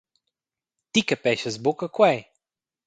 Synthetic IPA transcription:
t̪ikəpɛʃəzbokəkwaj

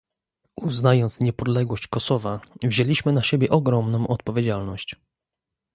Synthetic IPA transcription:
uznajɔnt̪sɲɛpɔd̪lɛɡwɔɕt͡ɕkɔsɔvavʑelʲiɕmɘnaɕɛbʲjɛʔɔɡɾɔmnɔ̃w̃ʔɔt̪̚pɔvʲjed͡ʑalnɔɕt͡ɕ

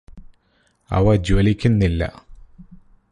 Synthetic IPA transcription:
ɐ̰ʋɐd͡ʑɐlikʲːunːilːɐ̰

